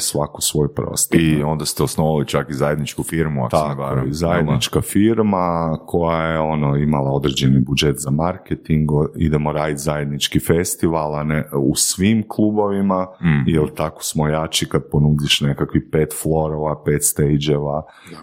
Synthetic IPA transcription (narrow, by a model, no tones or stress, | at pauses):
sʋakosʋo̞jpɾo̰st̪oiond̪ast̪eosnoʋalit͡ʃakizajed̪nit͡ʃkufiɾmua̰t̪aaoɾizajed̪nit͡ʃkafiɾmakʰo̞jajeo̞noimalˠao̞d̪ɾe̞d͡ʒenibud͡ʒe̞t̪zamaɾket̪iŋɡḭd̪emo̞ɾaːjit̪zaje̞d̪nit͡ʃkife̞st̪iʋalˠaneṵsʋimklˠubo̞ʋimajelˠt̪ako̥smojat͡ʃikad̪̚po̞nuːd̪iʃne̞kakʋipe̞ːt̪flˠo̞ɾoʋape̞ːt̪st̪ejd͡ʒe̞ʋa | a